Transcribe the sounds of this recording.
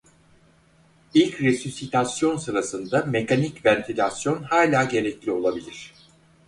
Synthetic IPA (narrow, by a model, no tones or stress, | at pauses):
ilʲcɾesusit̪ʰasjo̞nsɯɾasɯnd̪ame̞kʰanicvænt̪ʰilʲasjo̞nhaːlʲaːɟe̞ɾɛclʲio̞lˠabilʲiɾ̝̥